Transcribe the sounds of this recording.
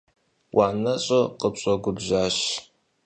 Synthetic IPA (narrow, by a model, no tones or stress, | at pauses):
wʔaːnɐɕʼoqəpɕʼɔɡʷʊbʑaːɕ